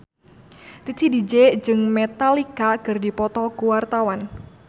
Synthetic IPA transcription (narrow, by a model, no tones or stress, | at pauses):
t̪it̪ʰidid͡ʒed͡ʒɨŋmɛt̪alikakɨrdipɔt̪ɔkuwart̪awan